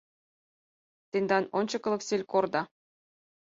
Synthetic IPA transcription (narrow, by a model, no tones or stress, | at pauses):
t̪enʲd̪ɑnonʲt͡ɕɤ̆kɤ̆lˠɤ̆ksʲelʲkord̪ɑ